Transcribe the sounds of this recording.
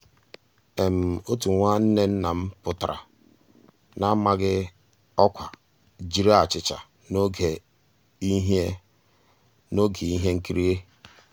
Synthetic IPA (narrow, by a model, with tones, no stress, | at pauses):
e˨m̩˨o˦tu˨ŋʷa˦n̩˦ne˦n̩˦na˨m̩˦pʊ˨tɾʔa̰˨ | na˦ma˦ɡɪ˦ | ɔ˦kʷa˨ | d͡ʒi˦ɾa˦a˨t͡ʃɪ˨t͡ʃa̰˨ | n˦ɡe˨˦ | ɦe˦ | no˦ɡi˨i˦ɦe˦ŋ̩˦ki˦ɾi˦e˦